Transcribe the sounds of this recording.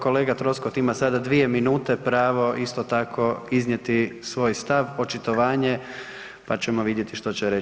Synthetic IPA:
ko̞le̞ːɡat̪ɾo̞skot̪imasad̪ad̪ʋie̞minuːt̪e̞pɾaːʋo̞ʔist̪ot̪akʰo̞izɲje̞t̪isʋo̞ːjst̪aʋo̞t͡ʃit̪oʋaːɲe | pat͡ɕemoʋid̪jet̪iʃt̪o̞t͡ɕeɾe

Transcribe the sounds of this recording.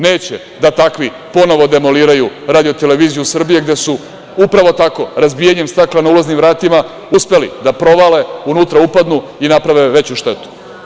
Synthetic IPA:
ne̞ːt͡ɕe | d̪at̪akʋi | po̞no̞ʋo̞d̪e̞mo̞liːɾajuɾaːd̪ijo̞t̪eleʋiːzijusr̩bije̞ɡd̪e̞su | upɾaʋo̞t̪ako̞ɾazbiːjaɲe̞mst̪aklˠanauloznimvɾaːt̪ima | uspe̞lḭd̪apɾo̞ʋale̞unut̪ɾaupad̪nuinapɾaʋe̞ʋe̞t͡ɕuʃt̪e̞t̪u̥

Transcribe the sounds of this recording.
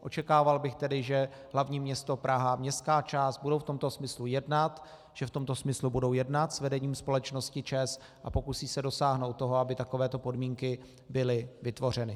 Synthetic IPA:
ʔo̞̰t͡ʃɛkaːvalbɪxt̪ɛdɪʒɛ | ɦlavɲiːmɲɛst̪o̞pɾʔaɦamɲɛst̪kaːt͡ʃaːst̪̚budowft̪o̞mt̪o̞smɪslujɛdnat̪ | ʒ̥ɛft̪o̞mt̪o̞smɪslubudowjɛdnat̪svɛdɛɲiːmspo̞lɛt͡ʃno̞scɪt͡ʃɛs | ʔapo̞kusiːsɛdo̞saːɦno̞wt̪ːo̞ɦo̞abɪt̪ako̞vɛːt̪o̞po̞dmiːŋkɪ | bɪlɪvɪt̪vo̞r̝ɛnɪ

